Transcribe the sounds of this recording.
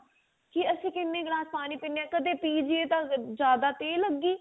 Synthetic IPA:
kɪəsĩːkɪnːẽːɡɾãːspaːniːpineɛ̃ːkəd̪eːpiːd͡ʒɪeːt̪ãːd͡ʒjaːd̪aːt̪eːləɡiː

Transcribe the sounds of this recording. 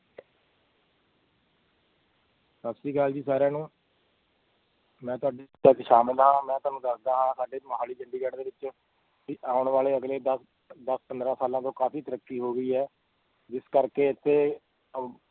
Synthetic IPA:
sətsiːɡaːld͡ʒiːsaːɾjãːnũː | mɛ̃ːt̪ʊaːɖit̪ət͡ʃʃaːmɪld̪aːɦãːmɛ̃ːt̪ʊaːnũːd̪əsʰd̪aːɦãːsaːɖeːməɦaːliːd͡ʒəɳɖiːkɛːʈd̪eːʋɪt͡ʃ | kiʔaːʊɳʋaːleːəɡleːd̪ə | d̪əspənd̪ɾãːsaːlãːt̪õːkaːfiːt̪əɾəkːiːɦoːɡəiːɦɛː | d͡ʒɪskəɾkeːɪt̪ʰːeː

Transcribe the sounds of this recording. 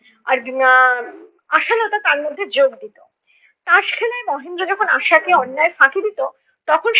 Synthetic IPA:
aɾ | aʃalot̪at̪aɾmod̪ʱːed͡ʑoɡd̪it̪o | t̪ãʃkʰɛlaemɔɦend̪ɾod͡ʑɔkʰonaʃakeɔnːaefʰakʰid̪it̪o | t̪ɔkʰonʃ

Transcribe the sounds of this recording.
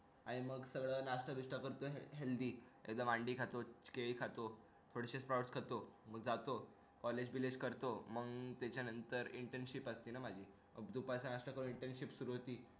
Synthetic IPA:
aɽ̃iməɡsəɡɭəːnaʂʈəbiʂʈəkəɾt̪oɦeld̪iːḛkd̪əamaɳɖiːkʰat̪ot͡ɕi̥keɭikʰat̪o | t̪ʰoɽɕespɾawɽskʰat̪oməɡd͡zat̪o | kɔled͡ʑbiled͡ʑkəɾt̪oməɡt̪jat͡ɕjanənt̪əɾiɳʈenɕipəst̪iːnamad͡ʑʱiː | məɡd̪upasanaʂʈəkəɾuːniɳʈenɕipsuɾuɦot̪iː

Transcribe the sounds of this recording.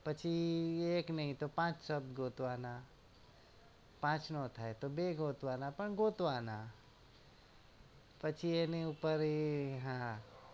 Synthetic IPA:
pət͡ʃʰieːknɐɦĩt̪opãːt͡ʃsɐb̚d̪ɡoːt̪ʋaːna | pãːt͡ʃnɔt̪ʰaet̪obeɡoːt̪ʋaːnapəɳɡoːt̪ʋaːna | pət͡ʃʰieneĩupəɾɦã

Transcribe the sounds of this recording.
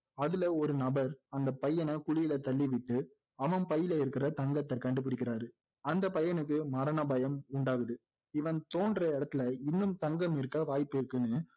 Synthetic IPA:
ɐðɪlɐɔɾɯnɐbɐɾɐnd̪ɐpɐjːɐnɐkʊɻɪjɪlɐt̪ɐɭːɪʋɪʈːɯ | ɐʋɐnpɐjːɪlɐɪɾɯkːɪrɐt̪ɐŋɡɐt̪ːɐkɐɳɖɯp̬ːɪɽɪkːɪɾaːɾɯ | ɐnd̪ɐpɐjɐnɯkːɯmɐɾɐnɐbɐjɐmʊɳɖaːɣɯðɯ | ɪʋɐnt̪oːɳɖrɐɪɽɐt̪ːɪlɐɪnːɯmt̪ɐŋɡɐmɪɾɯkːaʋaːjpːɪɾɯkːɯnːɯ

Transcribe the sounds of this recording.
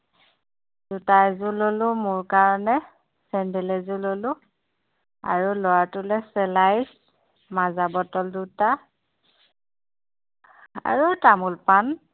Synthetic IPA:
dutajzʊlolʊmʊɹkaɹɔnɛ | sɛndɛlɛzʊlolʊ | a̰ɹulɔwatʊlɛsɛlajs | mazabɔtɔlduta | a̰ɹutamulpan

